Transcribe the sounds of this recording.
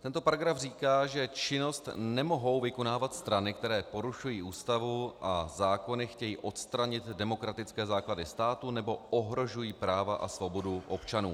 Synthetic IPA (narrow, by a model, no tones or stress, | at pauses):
t̪ɛnt̪o̞paɾaɡɾafriːkaːʒɛt͡ʃɪno̞st̪nɛmo̞ɦo̞wvɪko̞naːvat̪st̪ɾanɪk̚t̪ɛɾɛːpo̞ɾuʃujiːʔuːst̪avuʔazaːko̞nɪxcɛjiːʔo̞t̪st̪ɾaɲɪt̪dɛmo̞kɾat̪ɪt͡skɛːzaːkladɪst̪aːt̪unɛbo̞ʔoɦɾo̞ʒujiːpɾaːvaʔa̰svo̞bo̞duʔo̞pt͡ʃanṵː